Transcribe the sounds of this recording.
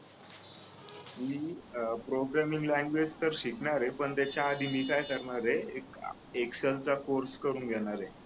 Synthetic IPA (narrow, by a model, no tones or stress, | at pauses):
miːpɾoɡɾæmiŋɡlæ̃ŋɡʋed͡zt̪əɾɕikɳaɾepəɳt̪jat͡ɕjaːd̪ʱiːmiːkajkəɾɳaɾeek | ekselt͡sakoɾskəɾuːnɡʱɛɽ̃aɾe